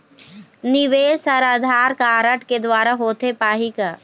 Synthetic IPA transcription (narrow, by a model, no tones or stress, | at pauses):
nɪʋeːsɐɾad̪ʱaːɾkaːɾəʈked̪ʋaːɾaɦoːt̪epaːɦika